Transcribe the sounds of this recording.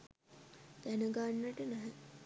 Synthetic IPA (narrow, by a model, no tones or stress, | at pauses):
t̪ænəɡaɳːəʈənæɦɛ